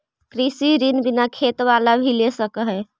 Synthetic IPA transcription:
kɾisiɾinbinakʰet̪ʋalabʱilesəkəɦɛ

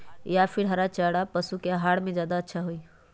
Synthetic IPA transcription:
japʰiɾɦəɾat͡ʃəɽapəsukeɦaɽmẽd͡ʒaːd̪aətːʃʰaɦui

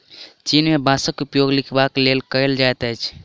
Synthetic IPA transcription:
t͡ʃinmebãsəkupjoɡlikʰbaklelkəeld͡ʒajt̪əjt͡ʃʰ

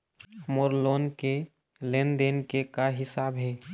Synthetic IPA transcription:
moɾlonke | lend̪enkekaɦɪsabɦe

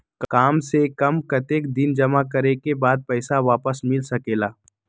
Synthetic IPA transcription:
kkaːmsekɐmkɐt̪eːk̚d̪ɪnd͡ʒɐmakɐɾekebaːd̪̚pɛːsaʋaːpəsmɪlsɐkeːlaː

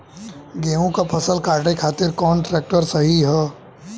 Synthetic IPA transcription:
ɡeːõkapʰɐsəlkaːɾʈekʰaːt̪ɪɾkɔːnʈɾɛːk̚ʈəɾsɐɦiɦɛː

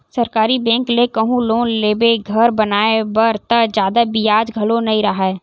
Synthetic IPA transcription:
sɐɾkaːɾibɛ̃ːŋklekəɦũloːnleːbeɡʱɐɾbɐnaːebəɾt̪əd͡ʒjaːd̪abɪjaːd͡ʒɡʱɐlonɐĩɾəɦɛː

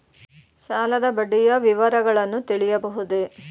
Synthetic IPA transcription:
saːlɐd̪ɐbɐɖːijɐʋiʋɐɾɐɡɐɭɐnːut̪iɭijɐbɐɦud̪e

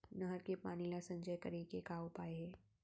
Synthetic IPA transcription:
nɐɦəɾkepaːnilasɐ̃ɲd͡ʒəjkəɾeːkekaːopaːeɦɛː

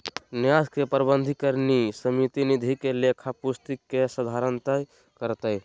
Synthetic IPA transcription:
njad̪kepəɾbənd̪ʱikəɾnisəmit̪inid̪ʱikelekʰapust̪ikːesəd̪ʱaɾənt̪əj | kəɾt̪əj

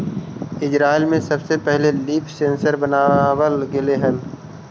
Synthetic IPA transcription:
ɪd͡ʒɾaːɪlmẽsɐbsepɛɦleliːpʰsẽːnsəɾbɐnaːwəlɡɪleɦən

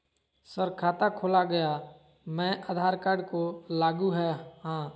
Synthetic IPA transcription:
səɾkʰaːt̪akʰoːlaɡɐja | mɛ̃ːʔad̪ʱaːɾkaɖkolaːɡuɦɛɦãː

